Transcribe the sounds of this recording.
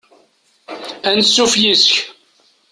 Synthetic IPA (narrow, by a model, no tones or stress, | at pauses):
ænsːufjisç